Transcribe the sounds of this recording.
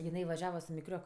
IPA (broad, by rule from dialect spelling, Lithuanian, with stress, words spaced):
jɪˈnɐɪ ʋɐˈʒʲæːʋɐ sʊ mʲɪˈkrʲoːk